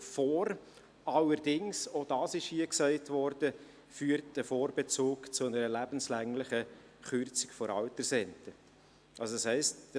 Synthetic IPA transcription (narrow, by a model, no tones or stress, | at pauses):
fɔːɾ | ɑlːəɾdɪŋsod̥ɑːsɪʃhiəksɛɪtvɔɾd̥ə | fyːəɾt̚d̥əfoːɾbɛt͡suːkt͡sʊnəɾəlæbənslæŋlɪχə | χʏɾt͡sɪkfɔɾɑ̰ltəɾsɛntə | ʔɑlsodɑshɛɪst